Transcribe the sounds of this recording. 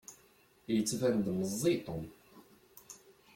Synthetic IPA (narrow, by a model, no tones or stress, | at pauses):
jət͡sːvænd̪məzˤːit̪ˤom